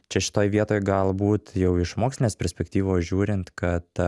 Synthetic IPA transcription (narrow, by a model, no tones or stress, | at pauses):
t͡ʃʲɛʃʲɪ̥t̪oːjʋʲiɛt̪oːjɡɐlˠbuːt̪jɛʊɪʃmoːksʲlʲɪnʲeːspʲɛɾʲsʲpʲɛkt̪ʲiːʋoːsʒʲuːɾʲɪnt̪kɐt̪